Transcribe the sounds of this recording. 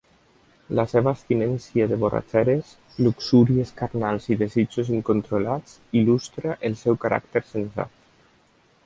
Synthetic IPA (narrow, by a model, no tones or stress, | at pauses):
lasɛβaːst̪inɛnsjaðeβora̰t͡ʃɛɾes | luksuɾieskaɾnalˠziðezid͡ʒuziŋkont̪ɾolat͡s | ilust̪ɾaʔelˠsɛwkaɾʔa̰kt̪eɾsensa̰t̪̚